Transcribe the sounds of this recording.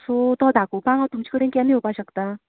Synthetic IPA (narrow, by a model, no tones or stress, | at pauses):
sʰot̪ʌd̪akopaŋʌt̪umt͡ɕʰi̥kɯɾeŋkeneopaɕʰʌk̚t̪a